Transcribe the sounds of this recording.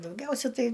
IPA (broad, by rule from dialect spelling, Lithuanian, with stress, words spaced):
dɐʊˈɡʲɛʊsʲɛ ˈtɐɪ